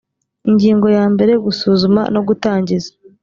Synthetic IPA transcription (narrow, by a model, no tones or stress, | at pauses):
iɲɟiːŋɡo̞jaːmbe̞ɾe̞ɡusuːzuma̰no̞ɡutaːɲɟizḁ